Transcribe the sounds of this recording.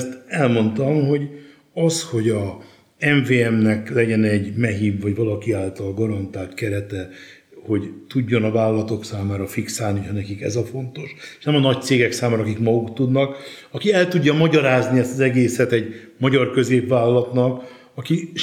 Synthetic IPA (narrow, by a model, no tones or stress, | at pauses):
st̪ɛlmo̞nt̪ɒmho̞ɟ | ɒsho̞ɟɒ | ɛɱveːɛmnɛklɛɟɛnɛɟmɛɦiːbvɒɟvɒlɒkiaːlt̪ɒlɡɒɾɒnt̪aːlt̪kɛɾɛt̪ɛ | ho̞ɟt̪uɟːo̞nɒvaːlɒlɒt̪o̞ksaːmaːɾɒfiksaːlnihɒnɛkikɛ̰zɒfo̞nt̪o̞ʃeʃnɛmɒnɒct̪seːɡɛksaːmaːɾɒkikmɒɡukt̪ud̪nɒk | ɒkiɛlt̪uɟːɒmɒɟɒɾaːzniɛst̪ɒzɛɡeːsɛt̪ɛɟmɒɟɒrkø̞zeːpvaːlɒlɒt̪nɒk | ɒki